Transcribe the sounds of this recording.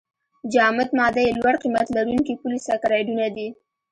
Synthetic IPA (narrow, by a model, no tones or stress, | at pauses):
d͡ʒɑmɪd̪mɑd̪ajelwaɽqimat̪laɾuŋkipulisakɾɑɖunad̪i